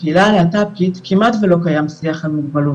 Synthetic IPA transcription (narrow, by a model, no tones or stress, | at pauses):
ilaleatap̚kitkʰimatvelo̞kajamsiaχalmiɡbalu